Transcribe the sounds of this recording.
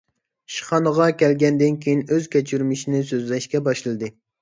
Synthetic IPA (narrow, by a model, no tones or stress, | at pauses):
ʃi̥χɑnəʁɑkʲʰɛlɡʲɛnd̪ɪnkʲʰejinøz̥kʲɛt͡ʃʰyɾmɪʃinɪsøzlɛʃkʲɛbɑʃlˠɨd̪ɨ